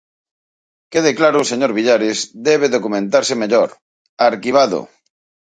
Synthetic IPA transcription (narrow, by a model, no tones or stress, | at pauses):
keðeklaɾʊseɲoɾβiʎaɾezd̪ɛβ̞eðokumẽnt̪aɾsemeʎoɾ | aɾkiβ̞aðo̰